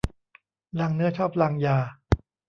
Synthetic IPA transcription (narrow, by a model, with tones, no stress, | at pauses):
laː˧ŋnɯ˦˥ɐt͡ɕʰɔː˥˩p̚laː˧ŋjaː˧